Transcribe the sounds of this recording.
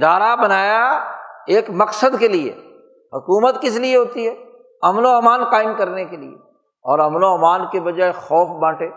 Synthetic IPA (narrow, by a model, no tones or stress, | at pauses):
d̪aːɾabɐnaːjaeːkmɐqsəd̪keliḛ | ɦʊkuːmət̪kɪs̬lieɦoːt̪iɦɛː | ɐmnoɐmaːnkaːɪmkɐɾnekelḭḛ | ɔːɾɐmnoɐmaːnkebɐd͡ʒaːexɔːfbãːʈeː